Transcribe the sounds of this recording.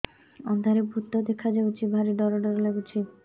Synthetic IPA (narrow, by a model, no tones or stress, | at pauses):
ɔnd̪ʱaɾebʱut̪ːɔd̪ekʰad͡ʒawt͡ʃʰibʱaɾiɖɔɾɔɖɔɾɔlewt͡ʃʰi